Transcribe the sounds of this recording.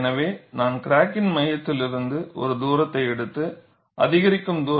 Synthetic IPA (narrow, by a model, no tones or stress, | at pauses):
nɐʋeːnaːnkɪɾaːkːɪnmɐjɐt̪ːɪlɪɾɯnd̪ɯʔɔ̰ɾɯd̪uːɾɐt̪ːɐɪɛɽɯt̪ːɯ | ʔɐ̰ðɪɣɐɾɪkːɯmd̪uː